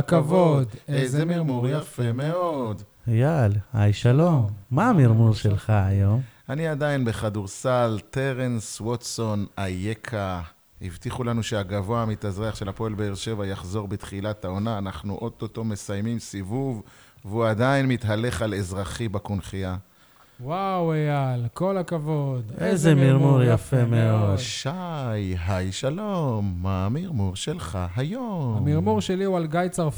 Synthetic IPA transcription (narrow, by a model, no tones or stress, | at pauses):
kavodezemiʁmuʁjafemeo̞d̪jalajʃalo̞mːaːmiʁmuʁʃelχaajo̞maniad̪ainbe̞χaduʁsalt̪e̞ʁenswot̪so̞najekʰa | ivt̪iχulanuʃeaɡavo̞amit̪azʁeaχʃe̞lhapo̞elbeeʁʃe̞vajaχzo̞ʁbet̪χilatao̞naːnaχnuʔo̞t̪oto̞me̞sajmimsivuv | vuad̪ainmit̪ɦale̞χalezʁaχibakunχia | wawejalkolakavod̪ʔezemiʁmuʁjafemeodʃajɦajʃalo̞mːaːmiʁmuʁʃe̞lχaɦajomamiʁmuʁʃeliualɡajt͡saʁ